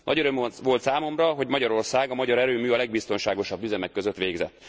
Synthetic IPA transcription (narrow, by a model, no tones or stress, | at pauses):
nɒ̰ɟøɾømoʋo̞lt̪saːmo̞mrɒɦo̞ɟmɒɟɒɾo̞rsaːɡɒmɒɟɒɾɛɾøːmyːɒlɛɡ̚bist̪o̞nʃaːɡo̞ʃɒbːyzɛmɛkːøzøt̪ʋeːɡzɛ̰t̪ː